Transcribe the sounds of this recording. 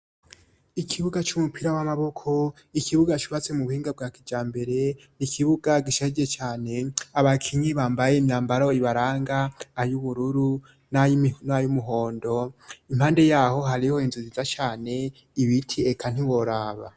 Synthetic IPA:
ikʰiβuɡat͡ʃumupiɾawamaβo̞kʰo | ikʰiβuɡat͡ʃuβat͡se̞muβuhiːŋɡab̚ɡaːkid͡ʒaːmbe̞ɾe̞ | nikʰiβuɡaɡiʃad͡ʒiɾet͡ʃaːne̞aβakʰiɲiβaːmbajemjaːmbaɾoiβaɾaːŋɡaːjuβuɾuɾu | najnajumuɦo̞ːndoimhaːnde̞jaːho̞ɦaɾiho̞inzuzizat͡ʃaːne̞ | iβitʰiekʰan̥hiwo̞ɾaːβa̰

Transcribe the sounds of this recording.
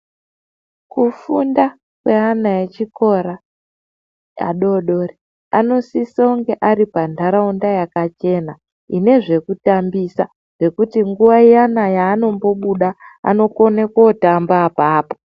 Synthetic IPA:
kufunda | kwe̞anaet͡ʃiko̞ɾa | ja̰ɗo̞ɗo̞ri | a̰no̞sisauŋɡe̞ʔaɾipandʱaɾaundajakat͡ʃe̞ːna | ine̞ʐe̞kutambisa | ʐ̥e̞kutiŋɡuʋaijanajaːno̞mbo̞ɓuɗaa̰no̞ko̞ne̞kotambapaːpo

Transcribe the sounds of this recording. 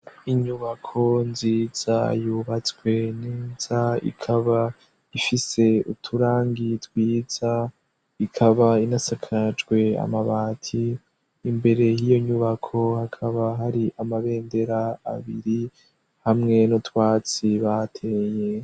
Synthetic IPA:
iɲuβakʰo̞nziːz̥a̰juːβat͡swe̞neːz̥aḭkʰaβa | ifise̞utʰuɾaːŋɡitwiːz̥a | ikʰaβainasakʰad͡ʒɡwe̞a̰maβaːtʰiː | mbe̞ɾe̞jijo̞ɲuβakʰo̞hakʰaβaɦaɾiʔamaβe̞ːnde̞ɾa̰ːβiɾi | hamŋe̞notwaːt͡siβatʰe̞je

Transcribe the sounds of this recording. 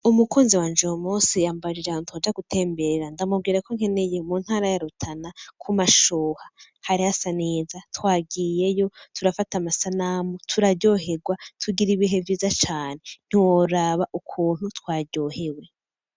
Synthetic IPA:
umukuːnziwaːnd͡ʒomusijaːmbaɾiɾantʰod͡ʒaɡutʰe̞ːmbe̞ɾeɾandamub̚ɡiːɾakoŋ̥e̞ne̞jemuːn̥haːɾajaɾutʰanakʰumaʃoːha | haɾihasaneːzatwaːɡije̞jo̞tʰuɾafatamasanaːmutʰuɾaɟo̞ɦe̞ɡwatʰuɡiɾiβiɦe̞vjiːzat͡ʃaːne̞n̥iwoɾaβaʔukʰuːn̥hutwaːɟo̞ːhe̞we̞

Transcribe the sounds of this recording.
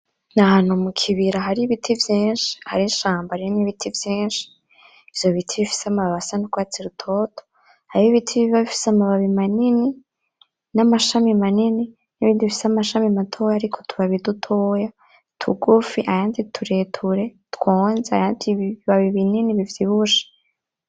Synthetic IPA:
nahanhumukʰiβiɾaɦaɾiβitʰivjiːnʃi̥ha̰ɾinʃaːmbaɾioniβitʰivjiːnʃi̥ː | vjo̞βitʰiβifi̥seamaβaβasanukwaːt͡siɾutʰo̞tʰo | aɾiiβitʰiβiβaβifi̥samaβaβimanini | namaʃamimanini | niβiːndiβifi̥samaʃamimatʰo̞ːjaːɾikʰo̞tʰuβaβidutʰo̞ːja | tʰṵɡufiʔajaːnditʰuɾeːtʰuɾe̞twoːnzea̰jaːndiiβaβiβininiβivjiβuʃe̥

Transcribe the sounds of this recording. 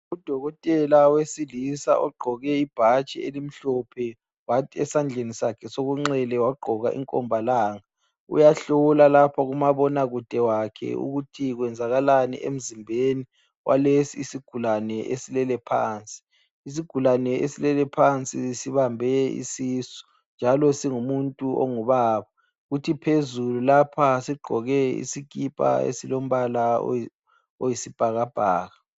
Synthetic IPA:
ud̥ʱɔɣɔtʼɛlawesilisa̰ʔɔɡ͡ǃʱɔɣɛib̥ʱat͡ʃʼɛelim̩ɬɔpʰɛ | watʰiɛsand͡ɮʱenisakʰɛsoɣuŋ͡ǀɛlɛwaɡ͡ǃʱɔɣa̰ʔḭŋkʼɔ̰mbʱalaːŋa | ṵjaɬɔlalapʰaɣumaβɔnaɣud̥ʱɛwakʰɛ̰ṵɣutʰiɣwɛnd͡zʱaɣalanḭʔḛm̩zimbʱeni | wʔa̰lesiːsiɡ̥ʱulanɛʔesilɛlɛpʰa̰ːnt͡sʼi̥ː | s̬iɡ̥ʱulanɛesilɛlɛpʰant͡sʼisiβambʱɛḭsisɔ̥ | nd͡ʒʱalɔsiŋumuntʼuʔo̰ŋuβaːβa | ɣutʰipʰezululapʰasiɡ͡ǃʱɔɣɛḭsikʼipʼa̰ḛsilom̩βalao | ojisib̥ʱaɣab̥ʱaːɣa

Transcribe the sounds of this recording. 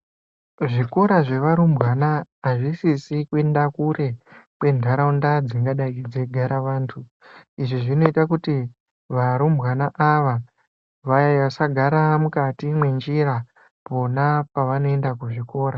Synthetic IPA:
ʐiko̞ɾaʐe̞ʋaɾumbɣanaːʐisisikwendakuɾe̞kwe̞ndʱaɾaundad͡ziŋɡaɗaid͡zeɡʱaɾaʋaːntʰu | iʐiʐino̞itakuti | ʋaɾumbwanaʔaʋa | ʋajaʋasaɡʱaɾamukatimwe̞nd͡ʒiɾa | po̞napaʋano̞endakuʐiko̞ːɾa

